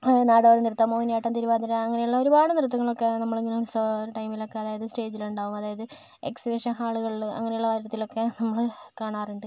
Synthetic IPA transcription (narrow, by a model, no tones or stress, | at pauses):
naːɽɐʋɐɾɐnirut̪ːɐmːoːinjaːjiʈːɐnt̪iɾuʋaːd̪ɐɾɐɐŋːɐnejuɭːɐoɾubaːɽɨnirut̪ːɐŋːɐɭo̞kːe̞nɐmːɐɭeŋɡilomsoɾʈɐjmilo̞kːe̞ɐðaːjɐðɨsʈe̞ːd͡ʑiluɳɖaːʋumɐðaːjɐðɨ | ḛksʋiʂɐɦaːɭuɣɐɭɐ̰ŋːɐne̞juɭːɐʋɐɾɐɾɐt̪ːilokːe̞nɐmːɐɭkaːɳaːruɳɖɨ